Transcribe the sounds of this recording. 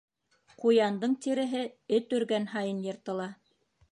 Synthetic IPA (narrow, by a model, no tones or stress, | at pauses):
qujɑnd̪ɤɴt̪iɾɘ̆ɦɘɘt̪ɵ̆ɾɡænhɑjɤnjɤ̆ɾt̪ɤ̆lˠɑ